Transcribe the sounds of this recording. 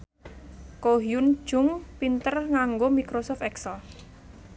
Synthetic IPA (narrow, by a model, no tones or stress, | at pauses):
koɦiʊn̥ʒ̥ʊ̤ŋpint̪ərŋaŋɡomikɾosɔft̪ɛksəl